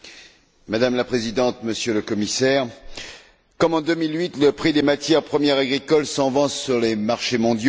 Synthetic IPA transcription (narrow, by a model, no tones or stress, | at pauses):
mad̪amlapχezid̪ɑ̃t̪məsjøləkɔmisɛʁ | kɔmɑ̃d̪əmilɥit̪ləpχid̪emat̪jɛʁpχəmjɛʁaɡʁikɔlsɑ̃vɑ̃sːyʁlemaʁʃemɔ̃d̪jo